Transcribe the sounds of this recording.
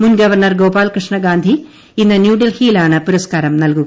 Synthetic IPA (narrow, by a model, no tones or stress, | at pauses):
munɡɐʋɐrɳɐrɡoːpaːlkrɨʂɳɐɡaːnd̪ʱi | inːɨnjuːɖilhiːlaːɳɨpuɾɐskaːɾɐmnɐlkuɣɐ